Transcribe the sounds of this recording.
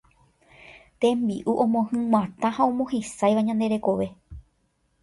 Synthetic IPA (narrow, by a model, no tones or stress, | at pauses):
t̪ẽ̞mbiʔuʔõmõhɨ̃wʷãt̪ãhaõmõɦisajʋaɲãnd̪e̞ɾe̞ko̞ʋe̞